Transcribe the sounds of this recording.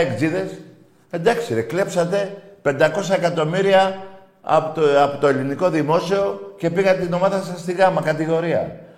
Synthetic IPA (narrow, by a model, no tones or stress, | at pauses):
ekziðe̞s | e̞nd̪ɐksiɾekle̞psɐt̪e̞pe̞nd̪ɐko̞s̬ɐe̞kɐt̪o̞miɾiɐ | ɐ̰ɐpot̪o̞e̞liniko̞ðimo̞sio̞ce̞piɣɐt̪et̪ino̞mɐðɐsɐst̪iɣɐmɐkɐt̪iɣo̞ɾiɐ̰